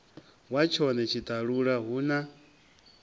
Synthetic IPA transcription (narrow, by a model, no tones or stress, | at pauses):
wat͡ʃʰɔnɛt͡ʃʰit̪ʼaɺuɺaɦuːna